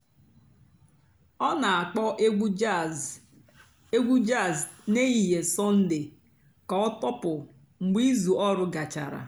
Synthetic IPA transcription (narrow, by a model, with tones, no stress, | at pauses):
ɔ˦na˨a˨k͡pɔ˦ʔ | e˦ɡʷu˦d͡ʒa˦˨zne˦i˨ɦe˨sɔ˦n̩˦dɪ˨ | ka˨ɔ˦tɔ˦pʊ˨ | ŋ͡m̩˨ɡ͡bi˦zu˨ɔ˦ɾʊ˦ɡa˨t͡ʃa̰˨ɾa̰˨